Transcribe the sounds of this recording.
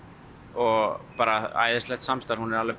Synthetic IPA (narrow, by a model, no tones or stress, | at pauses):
ɔɣpaːɾaa̰ːjðɪst̪lɛht̪samst̪aɾhunɛɾalvɪ